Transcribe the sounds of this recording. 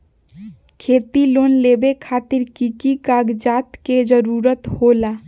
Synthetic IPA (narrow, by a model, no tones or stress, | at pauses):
kʰet̪ilonlebekʰat̪iɾkikikaɡd͡ʒat̪ked͡ʒəɾuɾət̪hola